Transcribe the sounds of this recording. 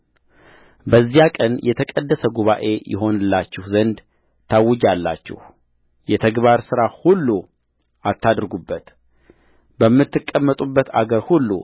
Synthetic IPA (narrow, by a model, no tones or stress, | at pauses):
bəzːijakʼənjʔɛt̪ʰəkʼəd̪ːəsəɡuβaʔe̞jʔɪ̰ɦo̞nɨlːat͡ʃːɪhzənd̪ | t̪ʰawɨd͡ʒalːa̰t͡ʃːɪ̰h | jɛt̪ʰəɡbaɾsɨɾahulːu | ʔat̪ːad̪ɾɡubːət̪ | bəmːɨt̪ːɨkʼːəmːət̪ʼubːət̪ʰa̰ɡəɾhulːṵ